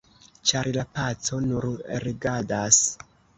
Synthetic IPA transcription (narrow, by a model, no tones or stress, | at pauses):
t͡ʃaɾlapat͡so̞nuɾɾiɡadas